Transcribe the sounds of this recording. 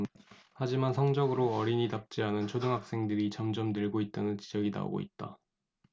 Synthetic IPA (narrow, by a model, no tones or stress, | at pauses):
had͡ʑimansʰʌŋd͡ʑʌɡɯɾoʌɾiɲitap̚t͡ɕ͈iɦanɯnt͡ɕʰodɯŋɦak̚s͈e̞ŋdɯɾit͡ɕʌmd͡ʑʌmdɯɭɡoit̚t͈anɯnt͡ɕid͡ʑʌɡina̰o̰ɡo̰ḭt̚t͈a̰